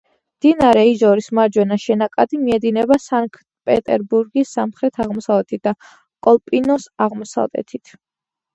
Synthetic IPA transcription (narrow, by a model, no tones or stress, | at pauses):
md̪̥inaɾɛizɔɾismaɾd͡ʒwɛnaʃɛnakʼad̪imiɛd̪inɛbasaŋkʰ | pʼɛt̪ʼɛɾbuɾɡisːamχɾɛt̪ʰaʁmɔsavlɛt̪ʰit̪̚d̪a | kʼɔlˠpʼinɔsaʁmɔsa̰vlɛ̰t̪ʰit̪ʰ